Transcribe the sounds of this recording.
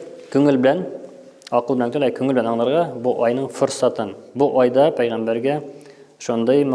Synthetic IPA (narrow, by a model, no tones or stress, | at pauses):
kʉŋɘlbɘ̆læn | ɒqɤlˠbɘ̆lænt̪ɵ̆læjkʉŋɘlbɘ̆lænɒɴlˠɤ̆ɾʁɑbuʔɒjnɤɴfŏɾsɑt̪ɤnbuʔɒjd̪ɑpæjʁæmbæɾɡæ | ʃond̪ɤjm